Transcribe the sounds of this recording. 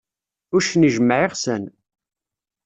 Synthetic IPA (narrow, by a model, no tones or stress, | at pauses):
ʊɾʃniʒəmːʕiʁsən